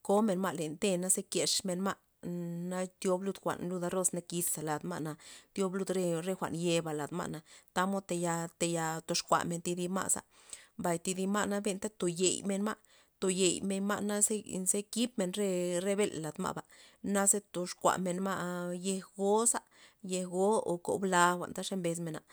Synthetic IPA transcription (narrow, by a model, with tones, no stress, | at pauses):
ko˦me˨nma˧le˨nt̪e˧na˦ze˦ke˨ʂme˧nma˦ʔ | na˦t̪jo˦blu˧d̪xʷa̰˨ʔnlu˧d̪a˧ɾo˦sna˦ki˧ssa˨la˨d̪ma̰˦ʔna˧t̪jo˦blu˧d̪ɾe˧ɾe˧xʷa̰˨nje˧ba˨la˨d̪ma̰˧ʔna˨˧t̪a˦mo˦t̪e˧ja˧t̪e˧ja˧t̪o˧ʂkʷa̰˨ʔme˧nt̪i˧d̪i˧ma̰˦˧sa̰˨ | mba˨jt̪i˧d̪i˧ma˦˧ʔna˦be˧nt̪a˦t̪o˨je˨jme˧nma˦ʔ | t̪o˨je˨jme˧nma̰˦ʔna˦ze˦ze˦ki˦p̚me˧˨nɾe˦ɾe˦be˦lla˨d̪ma̰˧ba˨na˦ze˦t̪o˨ʂkʷa̰˨ʔme˨nma˦˧je˧hɡo˦sa˦ | je˧hɡo˦o˨ko̰˨bla˧xʷa̰˨nt̪a˦ʂe˦mbe˧s̬me˨na˨